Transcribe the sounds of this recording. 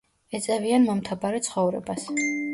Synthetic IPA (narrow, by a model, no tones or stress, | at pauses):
ɛt̪sʼɛvianmɔmt̪ʰabaɾɛt̪sʰχɔvɾɛ̰bas